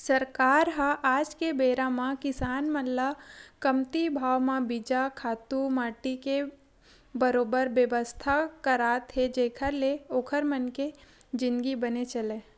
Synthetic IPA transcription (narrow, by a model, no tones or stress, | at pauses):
səɾkaːɾɦaʔaːd͡ʒkebeːɾãmãkɪsaːnməllakəmt̪ibʱaːʋmãbid͡ʒakʰaːt̪umaːʈike | bəɾoːbəɾʋjəʋəst̪ʰakəɾaːt̪ɦed͡ʒeːkʰəɾleoːkʰəɾmənke | d͡ʒɪ̃nd̪ɡibənet͡ʃəleː